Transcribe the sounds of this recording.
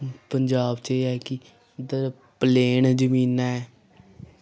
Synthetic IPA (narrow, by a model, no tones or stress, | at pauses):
pəɲd͡ʒaːbt͡ʃeɛːkɪ | d̪ə | pəleːnd͡ʒəmiːnaːɛː